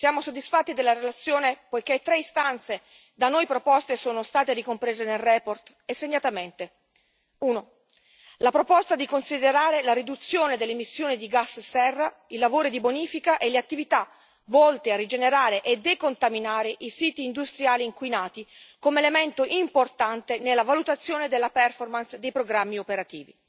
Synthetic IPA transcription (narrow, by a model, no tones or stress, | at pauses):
sjaːmosod̪ːisfat̪ːid̪elːaɾelat̪sːjoːnepojket̪ːɾeist̪ant̪se | d̪anojpɾopɔst̪esoːnost̪aːt̪eɾikompɾeːzenelrɛːport̪ | esːeɲːat̪ament̪e | uːno | lapɾopɔst̪ad̪ikonsid̪eɾaːɾelaɾid̪ut̪sːjoːned̪elːemisːjoːnid̪iɡasːsɛrːa | ilːavoːɾid̪iboniːfikaʔeleat̪ːivit̪a | vɔlt̪earːid͡ʒeneɾaːɾeʔed̪ekont̪aminaːɾeʔisiːt̪iːnd̪ust̪ɾjaːliːŋkwinaːt̪ikomelement̪oʔimport̪ant̪enelːavalut̪at̪sːjoːned̪elːapɛrformansd̪ejpɾoɡɾamːiopeɾat̪iːvḭ